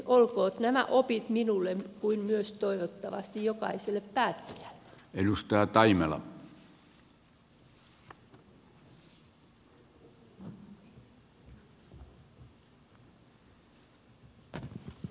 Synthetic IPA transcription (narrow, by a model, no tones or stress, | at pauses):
ʔolkoːt̪næmæ̰ʔopit̪minulːemkuinmyøst̪oiʋot̪ːɑʋɑ̰st̪ijjokɑ̰iselːeppæːt̪ːi̥æl̥ːe̥elust̪ɑɑt̪ɑimelɑ̰